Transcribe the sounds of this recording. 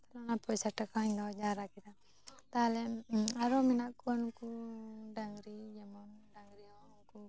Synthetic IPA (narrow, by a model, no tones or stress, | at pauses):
t̪alɔnapɔjsaʈakaɲnɔd͡ʒaɾakid̪a | t̪alɛaɾɔminaʔkuankuɖaŋɾid͡ʒɛmɔnɖaŋɾia | nku